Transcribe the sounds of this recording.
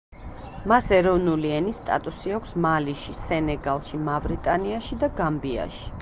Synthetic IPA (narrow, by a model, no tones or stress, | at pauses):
masɛɾɔvnuliɛnist̪ʼa̰t̪ʼusiakʷʰsmaliʃisɛnɛɡalˠʃimavɾit̪ʼaniaʃid̪aɡambia̰ʃi̥